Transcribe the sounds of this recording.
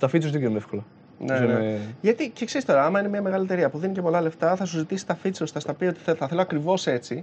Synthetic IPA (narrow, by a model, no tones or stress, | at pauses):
t̪ɐfit͡sozðeɡenunefko̞lɐ | neneʝɐt̪icekse̞ɾist̪o̞ɾɐɐmɐine̞mɲɐme̞ɣɐliet̪eiɐpuðinicepo̞lɐle̞ft̪ɐθɐsuzit̪isi̥t̪ɐfit͡sost̪ɐst̪ɐpio̞t̪i̥θeθɐθe̞loɐkɾivo̞se̞t͡si